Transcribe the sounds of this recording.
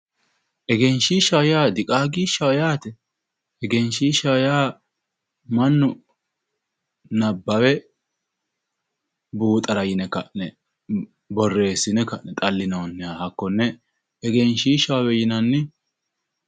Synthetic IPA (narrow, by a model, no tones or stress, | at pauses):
ʔɛɡɛnʃiːʃawjaːd̪ɪkʼaːɡiʃawjaːt̪ɛ | ɛɡɛnʃiːʃawjaː | mɐnːʊ | nɐbːɐwɛ | buːt̪ʼɐɾɐjɪnɛkːɐʔnɛ | bɔrːe̞ːsːɪnɛkɐʔnɛt̪ʼɐlːɪnɐnːɛaːhɐkːɔnːɛ | ɛɡɛnʃiːʃawwɛjɪnɐnːɪ